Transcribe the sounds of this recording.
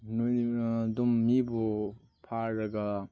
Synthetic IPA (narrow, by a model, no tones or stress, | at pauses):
nudumːibu | pʰaɾɐɡa